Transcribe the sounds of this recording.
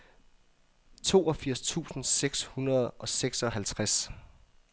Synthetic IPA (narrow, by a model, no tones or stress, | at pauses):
t͡sʰo̝̰ːɒ̽fiɐ̰st͡sʰṵːsn̩seɡ̥shunɐð̞̩ˠʔɒ̽seɡ̥sɒ̽ɦælt͡sʰʁas